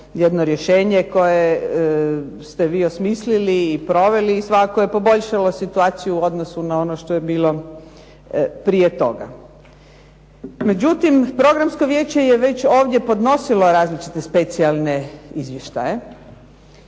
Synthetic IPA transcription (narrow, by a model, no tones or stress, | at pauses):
jed̪noɾjeʃe̞ːɲeko̞je | st̪eʋiːosmisliliːpɾo̞ʋe̞liːsʋakakojepo̞bo̞ʎʃalo̞sit̪uaːt̪sijuuo̞d̪nosunao̞noʃt̪o̞jebiːlˠo̞ | pɾijet̪o̞̰ɡa̰ | me̞d͡ʑut̪impɾo̞ɡɾamsko̞ʋjeːt͡ɕejeʋe̞t͡ɕo̞ːʋd̪je̞po̞d̪no̞silo̞ɾaːzlit͡ʃit̪espe̞t̪sialˠne̞izʋje̞ʃt̪a̰je